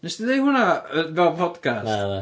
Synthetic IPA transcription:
nɛsd̥iðejhʊnaəvɛlˠpʰɔd̥kʰasata

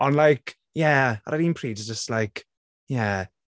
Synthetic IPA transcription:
ə̃nlaɪk | jæa̰ɾaɾinpʰɹ̥iːdd͡ʒəstlaɪk | jæ

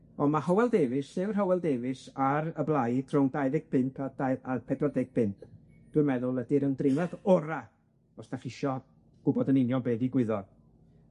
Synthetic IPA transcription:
ɔmahɔwɛlˠdeːvɪsɨvrɦɔwɛlˠdeːvɪsaɾəblˠajd̥rɔwŋdajðɪɡ̚pʰɪntʰadaapʰɛdɔdɪɡ̚b̥ʰɪntʰ | d̥wɨmɛðʊlˠədɪɾəndrɪmɛðɔɾa | ɔsd̥aχɪʃɔ | ɡ̥ʊbɔdənɪnjɔnbeːðiɡwɪðɔ

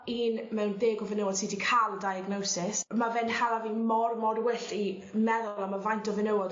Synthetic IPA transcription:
iːnmɛwndeːɡɔvɪnəwɔd̥sidikʰalˠdajaɡnɔwsɪsmavɛnhalˠavinmɔrmɔdwɪɬi | mɛðʊlˠamavajntʰɔvənəwɔd

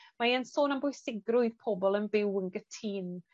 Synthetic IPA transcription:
majənsoːnənbʊɨsɪɡrʊɨðpʰɔbɔlˠənbɪwənɡətʰiːn

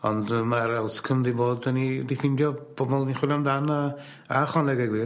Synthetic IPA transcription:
ɔ̰ndəmaɾawtʰkʰəmdiboːdənidifɪndjɔb̥ɔbɔlˠniχʊlamdana | aχɔnlˠɛɡɛɡwɪ

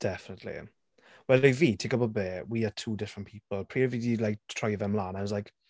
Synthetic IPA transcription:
d̥ɛfənətʰlḭ | wɛliviːtʰiɡɔbɔbeːwiatʰuːdɪfɹə̃npʰiːpəl̩ˠpʰɹ̥iːəviːdilajk̚tʰɹ̥ɔjðɛmlaːnãwɔzlajk

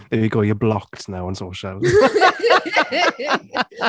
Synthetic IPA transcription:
ðəwəɡoːjəblɔktnaʊə̃nsoːʃəlˠ

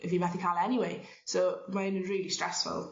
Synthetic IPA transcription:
ʔɪfjəmaθɪ̃kʰalɛniweɪ | soːmaɪ̃nɹiːlistɹ̥ɛsfʊ̰lˠ

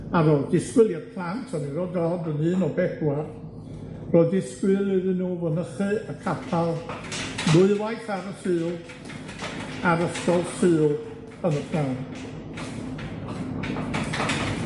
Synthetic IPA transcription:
aɾɔdɪskwɪlˠjad̥̚pʰlˠantʰɔniɾɔdɔdənɨːnɔbɛdwa | r̥ɔdɪskwɨɾiðɨnuːwənəχɨəkʰapʰalˠnʊɨwajθaɾəsɨːlˠ | aɾəstɔðsɨːlˠ | ənəpʰlˠant

